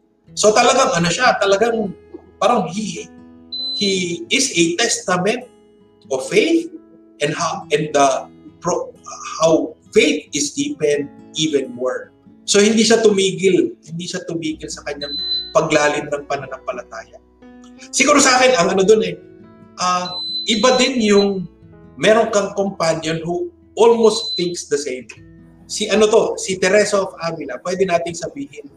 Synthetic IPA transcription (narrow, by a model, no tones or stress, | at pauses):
so̞t̪ɐlɐɡaŋʔɐnoʃat̪ɐlɐɡaŋpaːɾɐŋhihɪ | hiɪsɛt̪ɛst̪ɐmɛ̃nt̪̚ | ʔov̥ːejθ̚ | ʔɛnd̪haʔɛnɐpɹohawfejt̪̚ɪsd̪iːpɛn̚ʔiːvɛnmoɹ | sohɪnd̪iːʃat̪ʊmiːɡɪlhɪnd̪iʃat̪ʊmiːɡɪlsɐkɐɲːaŋpɐɡlaːlɪmnɐŋpɐnɐnɐŋpɐlɐt̪aːjɐ | sɪɡuːɾosɐʔaːkɪnɐŋɐnod̪onɛ | ʔɐʔɪbad̪ɪnjʊŋ | mɛɾoŋkɐŋkompanjonhu | ʔolmost̪θɪŋksd̪ɐsẽjm | siʔɐnot̪o̞sɪt̪ɛɾɛsofʔaːmɪlɐpwɛd̪ɛnaːt̪ɪŋsɐbiːɦɪn